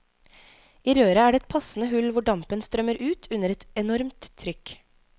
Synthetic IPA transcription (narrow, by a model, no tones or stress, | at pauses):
iːɾøːɾəæːɖeɛt̪̚pʰɑsn̩əhʉlʋʊɖɑmpənst̪ɾœməɾʔʉːt̪ʰʉnəɾɛt̪ɛnɔɾmt̪ʰːɾʏk